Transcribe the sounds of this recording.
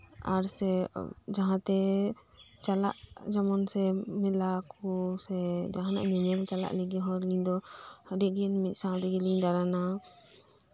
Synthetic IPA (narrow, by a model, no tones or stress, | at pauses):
a̰ɾsɛ̰d͡ʒaɦãt̪ɛ | t͡ʃala̰ʔ | d͡ʒamɔnsɛmɛlakʰusɛd͡ʒaɦana̰ʔɲɛɲɛlt͡ʃala̰ʔlɛɡiɦɔɾliɲd̪ɔhəɖiɡiɛnmɛt̪̚ˀsad̪ɛɡiliɲd̪aɾana